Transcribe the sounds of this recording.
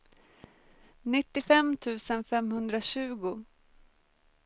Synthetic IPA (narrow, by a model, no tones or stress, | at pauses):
nɪt̪ːɪfɛmt̪ʰʉ̟ːsənfɛmhɵnd̪ɾaɕʉ̟ːɡʊ